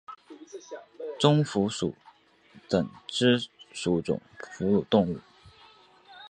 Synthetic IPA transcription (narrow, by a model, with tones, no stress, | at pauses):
t͡sʊ˥ŋfu˧˥ʂṵ˨˩ | t͡sə˨˩ŋʈ͡ʂɻ̩˥ʂu˨˥ʈ͡ʂʊ̰˨˩ŋfu˧˥lu˨˩t̪ʊ˥˧ŋu˥˩